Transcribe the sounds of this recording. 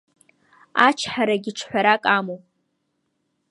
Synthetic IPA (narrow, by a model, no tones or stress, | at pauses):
at͡ʃʰħaɾaɡʲɪʈ͡ʂʰħʷaɾakʼamo